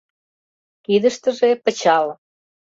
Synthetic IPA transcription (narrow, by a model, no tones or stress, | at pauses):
kid̪ə̆ʃt̪ə̆ʒepə̆t͡ɕɑl